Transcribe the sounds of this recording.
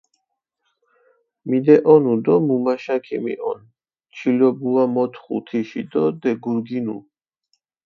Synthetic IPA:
mid̪ɛʔɔnud̪ɔmumaʃakʰimḭʔɔ̰n | t͡ʃʰilɔbuamɔt̪ʰχṵt̪ʰiʃid̪ɔd̪ɛɡuɾɡinṵ

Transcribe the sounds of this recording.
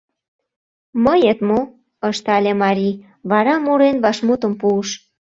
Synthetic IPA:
məjət̪mo | əʃt̪ɑlʲemɑɾʲi | βɑɾɑmuɾenβɑʃmut̪ə̆mpuːʃ

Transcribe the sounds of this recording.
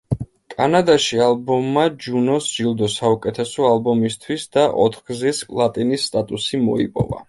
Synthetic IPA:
kʼanad̪aʃialˠbɔmːad͡ʒunɔsʒ̥ilˠd̪ɔsaukʼɛt̪ʰɛsɔalˠbɔmist̪ʰwisd̪aʔɔ̰t̪ʰχɡ̥zispʼlˠat̪ʼinisːt̪ʼat̪ʼusimɔ̰ḭpʼɔ̰va̰

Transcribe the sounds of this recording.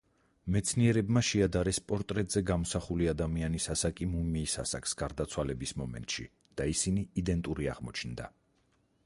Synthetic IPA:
mɛt̪sʰniɛɾɛbmaʃɛad̪aɾɛspʼɔɾt̪ʼɾɛt̪ʼz̥ɛɡamɔsaχuliad̪amianisasakʼimumiːsa̰sakʰsɡ̥aɾd̪at̪sʰwalɛbismɔmɛ̰nt̪ʼʃḭ | d̪̥aisiniːd̪ɛnt̪ʼuɾia̰ʁmɔt͡ʃʰnd̪a

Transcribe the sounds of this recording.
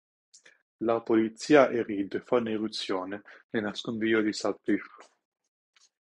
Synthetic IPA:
lapolit̪siːaʔeɾid̪efauniɾut̪sːjoːnenenaskonviːod̪isapif

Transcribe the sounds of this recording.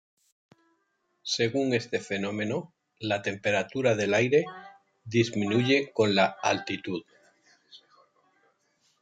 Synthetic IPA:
se̞ɣuŋe̞st̪e̞fe̞nõ̞mẽ̞no | lat̪e̞mpe̞ɾat̪uɾaðe̞lajɾe̞ | ðizmĩnuʝe̞ko̞nlaalt̪it̪uð

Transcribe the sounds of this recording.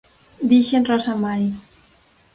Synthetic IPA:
d̪iʃenrɔsamaɾj

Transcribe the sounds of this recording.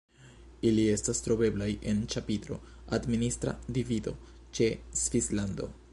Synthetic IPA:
ilie̞stastɾo̞be̞blaje̞nt͡ʃapitɾo̞̰ | administɾa̰divido̞̰ | t͡ʃe̞sv̥islando̞̰

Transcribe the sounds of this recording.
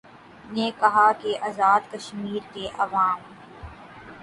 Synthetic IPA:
nekɐɦakeʔɐːzaːd̪kɐʃmiːɾkeʔɐʋaːm

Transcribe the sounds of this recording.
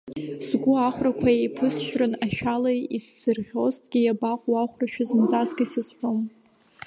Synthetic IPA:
zɡʷʊaχʷrakʷʰajejpʰɨsʃᶣrɨnaʃᶣalajisːɨrʁʲo̞ztʰʼɡʲijabaqʷʼwaχʷraʃᶣazɨnd͡zasɡasɨzħʷᶣom

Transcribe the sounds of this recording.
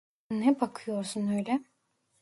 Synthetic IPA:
nɛbakʰɯjo̞ɾsunøjlʲɛ

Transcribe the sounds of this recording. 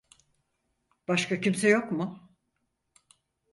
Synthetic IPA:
b̥aʃkacimsɛjo̞kmʊ

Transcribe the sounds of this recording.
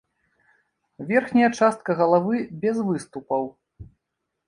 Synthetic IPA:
vʲɛrxnʲɐjɐt͡ʂast̪̚kɐɣɐlˠavɨbʲɛzvɨst̪upɐw

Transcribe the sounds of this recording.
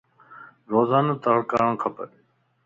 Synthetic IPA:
ɾoːzaːnoːt̪əɽkaːɾəɳkʰəpə̰ɾ

